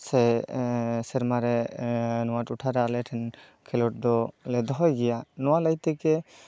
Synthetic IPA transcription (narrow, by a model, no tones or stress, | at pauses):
sɛ | sɛɾmaɾɛnɔwatuʈʰaɾaalɛʈʰɛn | kʰɛlɔʈ̚d̪ɔlɛd̪ɔɦɔjɡɛjanɔwalajt̪ɛkɛ